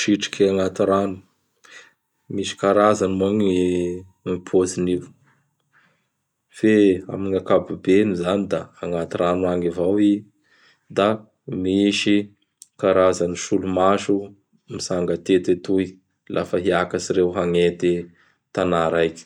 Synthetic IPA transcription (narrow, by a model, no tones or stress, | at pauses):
ʃiʈ͡ʂi̥kʲaŋat̪iɾanu̥ | miʃi̥kaɾazanmoŋi | mipʰozinivu̥ | fea̰miŋakabubenuzanid̪aːŋat̪iɾanuaŋivawi | d̪a | miʃi | kaɾazaniʃulumaʃu | misaŋɡət̪et̪et̪uj | lʔa̰fəɦiakasiɾewɦaŋet̪i | t̪anaɾajkʲi̥